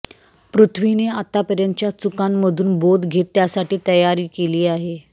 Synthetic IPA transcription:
pɾut̪ʰʋineat̪apəɾjaɲt͡ɕjat͡sukanməd̪ʱuːnbod̪ɡʱet̪ːjasaʈiːt̪əjaɾiːkeliːaɦe

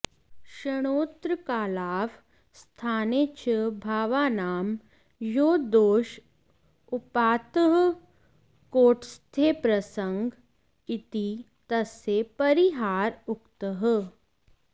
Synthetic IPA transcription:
ʃəɽ̃oːt̪ɾəkaːlaːʋ | st̪ʰaːneːt͡ʃʰəbʱaːʋaːnaːm | joːd̪oːʃ | ʊpaːt̪əɦ | koːʈst̪ʰeːpɾɐsə̃ŋɡ | ɪt̪i | t̪ɐsepɐɾiɦaːɾʊkt̪əɦ

